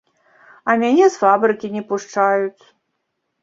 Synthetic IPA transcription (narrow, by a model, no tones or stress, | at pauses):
ɐmʲanʲɛsfabɾɨkʲinʲɛpuʂt͡ʂajut͡sʲ